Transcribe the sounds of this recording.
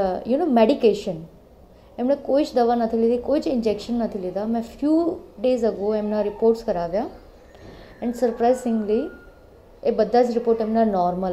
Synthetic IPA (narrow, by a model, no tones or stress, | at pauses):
junoːmeɖikeːʃən | ɛ̃mɽ̃ẽkoːit͡ʃd̪ɐʋanɐt̪ʰilid̪ikoːit͡ʃɪ̃nd͡ʒekʃənːɐt̪ʰilid̪amɛ̃fʰjuːɖeːzɐɡoːɛmnaɾɪpoːɾʈskɐɾaːʋjaː | ɛ̃ɳɖsɐɾpɾaɪsɪ̃ŋɡli | ebəd̪ʱːaːt͡ʃɾɪpoːɾʈɛ̃mnanɔːɾməl